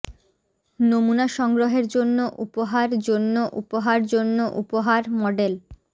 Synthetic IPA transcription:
nomunaʃɔŋɡɾoɦeɾd͡ʑonːoʔupoɦaɾd͡ʑonːoʔupoɦaɾd͡ʑonːoʔupoɦaɾmɔɖel

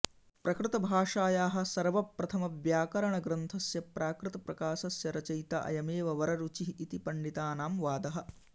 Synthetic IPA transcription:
pɾɐkɾut̪ɐbʱaːʂaːjaːɦɐ̆sɐɾʋɐpɾɐt̪ʰɐmɐʋjaːkɐɾɐɳɐɡɾɐnt̪ʰɐsjɐpɾʔaːkɾɪt̪ɐpɾɐkaːsɐsjɐɾɐt͡ʃɐjt̪ɐ̰ʔɐ̰jɐmeːʋɐʋɐɾɐɾut͡ʃiɦiːt̪ipɐɳɖit̪aːnaːmʋaːd̪ɐɦɐ̆

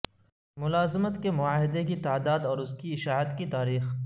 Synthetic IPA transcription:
mʊlaːzəmət̪kemʊaːɦɪd̪ekit̪aːd̪aːd̪ɔːɾʊskiɪʃaːɦət̪kit̪aːɾiːx

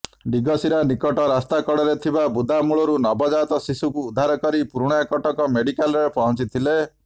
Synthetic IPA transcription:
ɖiɡɔsiɾanikɔʈɔɾast̪akɔɽɔɾet̪ʰibabud̪ʱamuɭɔɾunɔbɔd͡ʒat̪ɔsisukuːd̪ʱaɾɔkɔɾipuɾuɽ̃ɔakɔʈɔkɔmeɽikalɾɾepɔɦɔnt͡ʃit̪ʰile

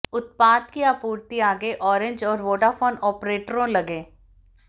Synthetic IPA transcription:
ʊt̪̚paːd̪kiaːpuːɾt̪iaːɡeʔɔːɾɪ̃ɲd͡ʒɔːɾʋoːɖafoːnɔːpɾeːʈɾõlɐɡẽː

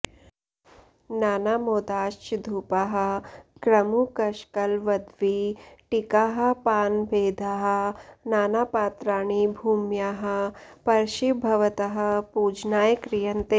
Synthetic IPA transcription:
naːnaːmoːd̪aːʃt͡ʃd̪ʱuːpaɦɐ̆kɾɐmukɐʃkɐlʋɐd̪ʋiʈikaːɦɐ̆paːnbʱeːd̪ʱaɦɐ̆naːnaːpaːt̪ɾaːɳ̃ibʱuːmjaːɦɐ̆pɐɾʃibʱɐʋɐt̪ɐɦɐ̆puːd͡ʒnaːjkɾijɐnt̪e

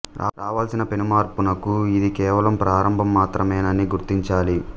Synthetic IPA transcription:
ɾa̰ːɾaːʋaːlsinɐpe̞numaːɾpunɐkuid̪ikɛːʋɐlɐmpɾaːɾɐmbʱɐmːaːt̪ɾɐmeːnɐniɡuɾt̪iɲt͡ʃaːli

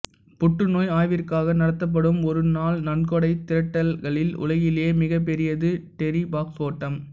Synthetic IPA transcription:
pʊʈːɯnoːjaːjʋɪrkaːɣɐnɐɽɐt̪ːɐp̬ːɐɽɯmɔɾɯnaːlnɐɳkɔɽɐɪt̪ɪɾɐʈːɐlɣɐɭɪlʊ̰lɐjɪleːmɪɣɐp̬ːɛɾɪjɐðɯʈɛɾibaːksoːʈːɐm

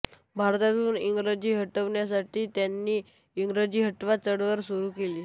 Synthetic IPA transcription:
bʱaɾt̪at̪uːniŋɡɾəd͡ʑiːɦəʈəʋɳjas̬aʈiːt̪janːiː | iŋɡɾəd͡ʑiːɦəʈʋat͡səɽʋəɾsuɾuːkeliː

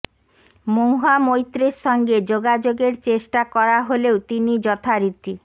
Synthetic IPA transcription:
mowɦamojt̪ːɾeɾʃɔŋɡed͡ʑoɡad͡ʑoɡeɾt͡ɕeʃʈakɔɾaɦolewt̪inid͡ʑɔt̪ʰaɾit̪i

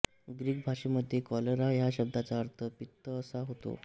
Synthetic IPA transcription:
ɡɾiːɡ̚bʱaʂeməd̪ʱːjekɔləɾajaɕəb̚d̪ʱat͡saəɾt̪ʰəpit̪ːəːsaɦot̪o̰

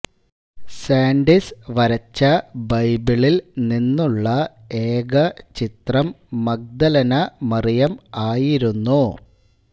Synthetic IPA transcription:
saːɳɖisʋɐɾɐt͡ɕːɐbɐjbiɭilninːuɭːɐ | eːɡɐt͡ɕit̪rɐmː | ɐk̚d̪ɐlɐnɐmɐrijɐmaːjiɾunːu

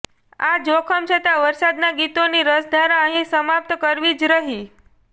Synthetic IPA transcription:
ad͡ʒokʰəmt͡ʃʰət̪aʋəɾsad̪naɡit̪oniɾəsd̪ʱaɾaəɦĩsəmap̚t̪əkəɾʋid͡ʒɾəɦi

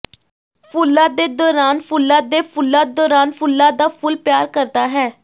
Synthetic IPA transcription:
pʰʊlːaːd̪eːd̪ɔːɾaːnpʰʊlːaːd̪eːpʰʊlːaːd̪ɔːɾaːnpʰʊlːaːd̪aːpʰʊlpjaːɾkəɾt̪aːɦɛː

